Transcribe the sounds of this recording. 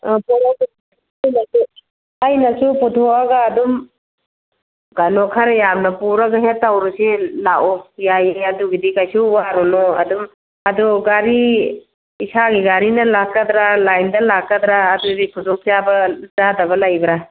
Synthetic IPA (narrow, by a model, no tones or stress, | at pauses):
pɔɾa | ajnɐsu | ajnɐsuputʰoaɡɐːdum | ɡanɔkʰaɾajamnɐpuɾaɡɐɦetːawɾusilaʔɔjajeɐduɡidikajsuwaɾɔnɔɐ̰dum | ɐduɡaɾi | isaɡiɡaɾinɐlakːad̪ɾalajndɐlakːɐd̪ɾaːduɡidipʰuzɔk̚zabɐzadɐbɐlajbɾa